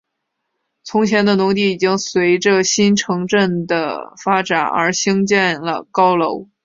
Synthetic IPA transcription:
t͡sʰʊ˧˥ŋt͡ɕʰjɛ˧˥nd̪ə˧nu˧˥ŋt̪i˥˩i˨˩t͡ɕi˥ŋswe˧˥ɪʈ͡ʂə˥˧ɕi˥nʈ͡ʂʰɤ˧˥ŋʈ͡ʂə˥˩ŋd̪ə̰˩fa˥ʈ͡ʂa˨˩nə̰˞˧˥ɕi˥ŋt͡ɕjɛ˥˩nlə̰˩kɑ˥ʊlo˧˥ʊ

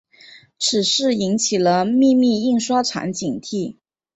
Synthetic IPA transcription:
ʈ͡ʂʰɻ̩˨˩ʂɻ̩˥˩i˧˥nt͡ɕʰi˨˩lə˦mi˥˧mi˥˧i˥˧ŋʂwa˥ʈ͡ʂʰa̰˧˥nt͡ɕi˨˩ŋt̪ʰi˥˩

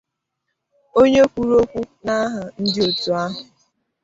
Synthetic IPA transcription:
o˦ɲe˦kʷu˦ɾo˦kʷu˦na˦ɦʊ˨n̩˦dɪ˦o˨tu˨a˦ɦʊ˨

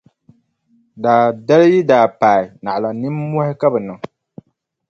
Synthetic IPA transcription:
daː˨da˦lji˦daː˨paː˨ɪ˨na˨ʔla˨nɨ˦mːɔ˦hɪ˦ka˦bɨ˨nɨ˨ŋ

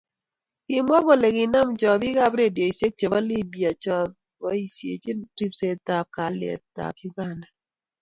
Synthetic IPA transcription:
kɪ˦mwɔ˦ɡo˨le˨ɡɪ˨na˦mt͡ʃɔ˨bɪ˦ɡa˦bɾe˦˨djo˨i˨sje˦k̚t͡ʃɔ˨ba˦li˦bi˨a˨t͡ʃɔ˨˦t̪̚ | wɔ˦i˨sjḛ˨t͡ʃe˦ti˦pse˨t̪a˨p̚ka˨lḛ˨t̪a̰˨pju˦ɡa˦nda˨

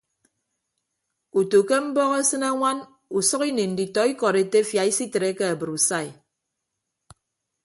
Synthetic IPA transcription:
u˨to˨ke˦m̩˦bɔ˦ɣe˦sɨ˦na˦ŋʷa˦n | u˨sɔ˦ki˦ni˨n̩˨di˨tɔ˨i˦kɔ˨ɾe˨te˦fja˨i˦si˦te˨ɾe˦ke˦a˨bɨ˨ɾu˨sa˦˨i˨

